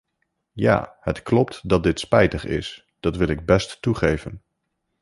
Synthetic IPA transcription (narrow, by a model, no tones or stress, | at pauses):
ja̰ːɦətklɔp̚tdɑt̚dɪtspɛjtəχɪ̰s | d̥ɑtʋɪlɪɡ̚bɛstːuχejvən